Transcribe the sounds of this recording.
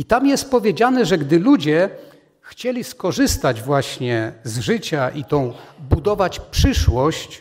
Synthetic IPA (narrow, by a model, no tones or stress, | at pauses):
it̪amjɛst̪̚pɔvʲjed͡ʑanɛʐɛɡd̪ɘlud͡ʑɛ | xt͡ɕɛlʲiskɔʐɘst̪ad͡ʑvwaɕɲɛzʐɘt͡ɕaʔit̪ɔ̃w̃bud̪ɔvat͡ɕpʂɘʂwɔɕt͡ɕ